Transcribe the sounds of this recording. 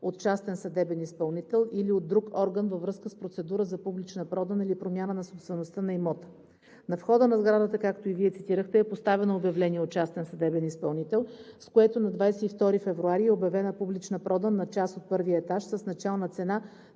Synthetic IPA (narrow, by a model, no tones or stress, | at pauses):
ot̪̚t͡ʃast̪ɛnsɐd̪ɛbɛnispɐlˠnit̪ɛlˠiliod̪ːɾukɔɾɡənvəvɾɤskəspɾot̪sɛd̪uɾəzɐpublit͡ʃnəpɾɔd̪ənilipɾomʲjanənɐsopst̪vɛnost̪ənɐimɔt̪ə̥ | nɐfxɔd̪ənɐzɡɾad̪ət̪əkakt̪oiviɛt̪sit̪iɾəxt̪ɛɛpost̪avɛnoobjɐvlɛniɛot̪̚t͡ʃast̪ɛnsɐd̪ɛbɛnispɐlˠnit̪ɛlˠskoɛt̪onɐd̪vajsɛift̪ɔɾifɛvɾuaɾiɛobjɐvɛnəpublit͡ʃnəpɾʔɔd̪ənɐt͡ʃasot̪̚pɤɾviəɛt̪aʃsəsnɐt͡ʃalˠnət̪sɛna